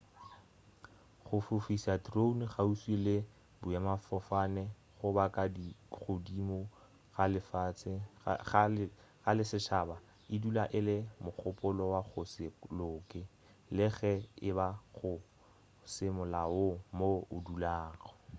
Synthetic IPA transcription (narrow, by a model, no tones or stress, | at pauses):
χʊfʊfisatrounχauswilɪ | bʊjamafɔfanɛ | χʊbakʼadiɣʊdimo | ɣalɪfat͡sʰɪ | ɣalɪsɪʃaːba | ɪdulaʔɪlɪmʊk͡xʰʊpʼʊlɔwaχʊsɪlʊːkʼɪ | lɪɣɛɪbaɣʊ | sɪmʊlaʊmoʊdulaːɣɔ̥